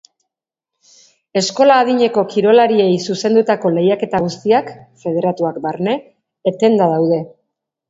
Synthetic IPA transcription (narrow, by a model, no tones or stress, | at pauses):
e̞sko̞laːðiɲe̞ko̞kiɾo̞laɾie̞jsuse̞nd̪ut̪ako̞le̞jake̞t̪aɣ̞ust̪iakfe̞ð̞e̞ɾat̪uakbaɾne̞ː | t̪e̞nd̪að̞awðe̞